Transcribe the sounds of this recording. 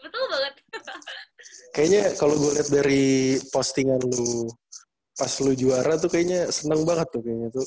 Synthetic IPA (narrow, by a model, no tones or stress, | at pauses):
bət̪ʊlbaŋət̪̚ | kajaɲakaloɡualiɦat̪̚daɾipost̪iŋanlu | paslud͡ʒuaɾat̪̬ukajaɲasənəŋbaŋət̪ːʊkajaɲat̪ʊ